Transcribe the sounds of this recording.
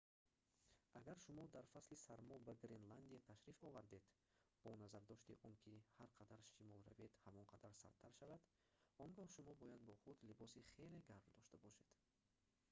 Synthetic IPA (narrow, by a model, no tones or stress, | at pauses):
ʔaɡaɾʃumɔd̪aɾfaslisaɾmɔbaɡɾenland̪iat̪ʰaʃɾifɔvaɾd̪e̞d̪ | b̥ɔnazaɾd̪ɔʃt̪iʔɔŋkʰihaɾqʰad̪aɾʃimɔlˠɾaved̪hamɔnqʰad̪aɾsa̰ɾt̪ʰːaɾʃavad̪ | ɔŋɡɔhʃumɔbɔjad̪̚bɔχud̪libɔsiχe̞le̞ɡaɾbd̪ɔʃt̪abɔʃe̞d̪̥